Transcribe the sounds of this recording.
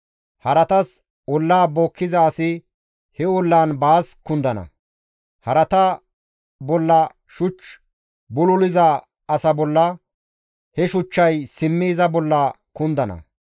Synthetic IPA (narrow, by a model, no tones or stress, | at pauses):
hɐɾɐt̪ɐs | ɔlːaːboːkːɪzɐːsɪ | hɛɔlːaːnbaːskʊnd̪ɐnɐ̰ | hɐɾɐt̪ɐ | bɔlːɐ | ʃʊt͡ʃː | bʊlʊlɪzɐ | ɐsɐbɔlːɐ | hɛʃʊt͡ʃːɐjsɪmːiːzɐbɔlːɐ | kʊnd̪ɐnɐ̰